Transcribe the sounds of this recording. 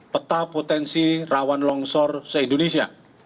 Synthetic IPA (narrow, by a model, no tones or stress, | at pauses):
pət̪apot̪ɛnsirawanlɔŋsɔrsəind̪onesia̰